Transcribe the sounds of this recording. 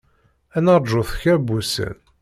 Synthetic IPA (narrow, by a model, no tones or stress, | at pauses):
ænəɾˤʒʊθçæbːusə̰n